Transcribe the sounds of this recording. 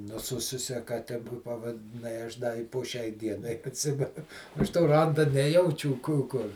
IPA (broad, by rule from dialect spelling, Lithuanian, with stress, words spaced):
nʊˈsʊsʊsʲɛ kɐˈtʲɛ pɐʋɐdʲɪˈnɐɪ ˈɐʃ dɐ ɪ poː ˈʃʲɛɪ ˈdʲiɛnɐɪ ɐtʲˈsʲɪmʲɛ ˈɐʃ toː ˈrɐndɐ ˈnʲæːjɛʊt͡ʃʲuː ˈkuː ˈkʊr